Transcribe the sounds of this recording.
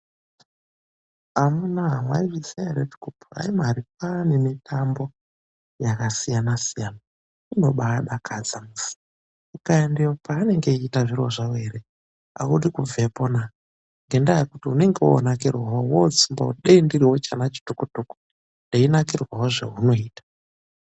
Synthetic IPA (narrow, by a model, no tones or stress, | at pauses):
amunaɦamwaiʐisiaretu̥kupura̰imaaɾik̚animitʰambo̞ | jakasijanasijana | ino̞ɓaːɗakʰad͡zamusi̥ | ukaendiopaːne̞ŋɡe̞iːtaʐiro̞ʐaweɾe | a̰uɗikuvʱe̞po̞na | ŋɡe̞ndajekutiune̞ŋɡeo̰nakirwawowot͡simba̰uɗeindiriwot͡ʃanat͡ʃi̥tukutuku̥ | ndeinakirwawoʐḛuno̞iːtḁ